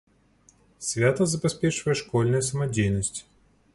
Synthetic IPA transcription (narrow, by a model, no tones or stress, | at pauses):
sʲvʲat̪əzɐbʲɐspʲeʂɨvəjɛʂkɔlʲnɨjɛsɐmɐdʲejnəsʲtʲ